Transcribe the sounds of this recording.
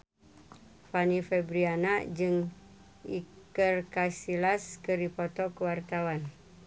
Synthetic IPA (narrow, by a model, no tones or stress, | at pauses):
fanifɛbɾianaʔd͡ʒɨŋ | i | kərkasilaskəripɔt̪ɔkəwart̪awan